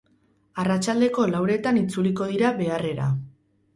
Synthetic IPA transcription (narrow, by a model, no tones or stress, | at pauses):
arat͡ʃald̪e̞ko̞lawɾe̞t̪anit͡suliko̞ðiɾaβe̞are̞ɾa̰